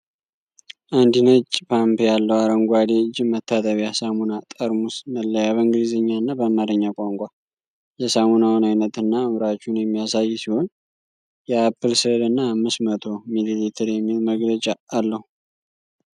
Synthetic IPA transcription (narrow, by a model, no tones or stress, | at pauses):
ʔand̪inət͡ʃʼːpʰampʰejalːəwaɾəŋɡʷad̪ed͡ʒɪmət̪ʰːat̪ʼəβjasamunat̪ʼəɾmusməlːəjaβəɨŋɡɨlizəɲːanːabəmaɾəɲːakʷʼaŋkʷʼa | jɛsamunawnajnət̪ɨnːaɨmɾat͡ʃːunjɛmːijasajːsiho̞n | jɛapːɨlsɨlɨnːaːmːɨsmət̪ʰomililit̪ʰəɾjɛmːilməɡlət͡ʃʼaːlːəhu